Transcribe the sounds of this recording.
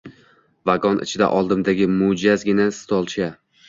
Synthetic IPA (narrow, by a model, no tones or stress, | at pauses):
vaɡɒnʔɪ̰t͡ʃʰɪd̪a̰ʔɒlˠd̪ɪmd̪aɡʲɪmʊd͡ʒazɡʲɪnast̪ʰɒlˠt͡ʃʰa